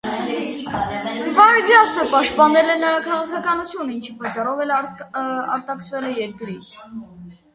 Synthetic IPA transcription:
vɑɾvjɑsəpɑʃt̪̚pɑnɛlɛnəɾɑkʰɑʁɑkʰɑkɑnut͡sʰjunəint͡ʃʰipɑt͡ʃːɑrɔvɛl | ɑɾt̪ɑksʰvɛlɛjɛɾkɾit͡sʰ

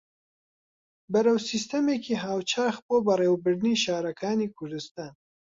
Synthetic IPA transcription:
bɐɾɐwsist̪ɐmeːkʰiːɦaːwt͡ʃʰaːxboːbɐreːwbɨɾd̪niʃaːɾɐkʰaːniːkʰʊɾd̪ɨst̪aːn

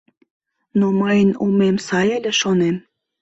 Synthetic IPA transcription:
noməjənumemsɑjeleʃonem

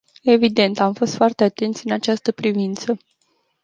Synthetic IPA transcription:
e̞vid̪e̞nt̪amfo̞st̪foart̪e̞at̪e̞nt̪sʲɨnat͡ʃast̪əpɾivint̪sə

